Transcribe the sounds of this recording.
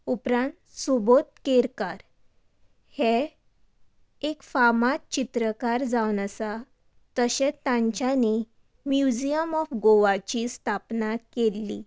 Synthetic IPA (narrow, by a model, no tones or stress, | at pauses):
upɾãɳʈ | subot̪̚keɾkaɾ | hɛ | kfamat͡ɕit̪ɾəkaɾd͡zawnəsa | t̪əɕɛ̃tt̪ːãɲt͡ɕjane | mjud͡ʑijəmɔfɡoʋat͡ɕist̪ʰapnakelːḭ